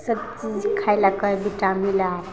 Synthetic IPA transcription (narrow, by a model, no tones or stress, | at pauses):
sʌt͡ʃikʰajlakɔjbitamilaj